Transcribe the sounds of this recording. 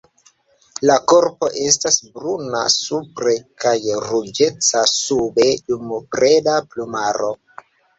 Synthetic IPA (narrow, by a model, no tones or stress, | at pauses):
lako̞ɾpo̞ʔe̞stasbɾuna̰supɾekajɾud͡ʒe̞t͡sasube̞dumubɾedaplumaɾo̞